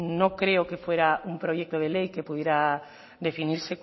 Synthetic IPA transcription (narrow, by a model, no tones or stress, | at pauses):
nõŋkɾeokefweɾauŋpɾojɛk̚t̪oð̞elejkepuðjeɾa | d̪efiniɾse